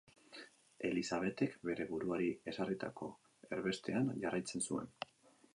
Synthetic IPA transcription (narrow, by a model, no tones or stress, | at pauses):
e̞lisaβe̞t̪e̞kbe̞ɾe̞βuɾuaɾie̞sarit̪a̰ko̞ | e̞ɾβe̞st̪e̞anʝarajt͡se̞nsue̞̰n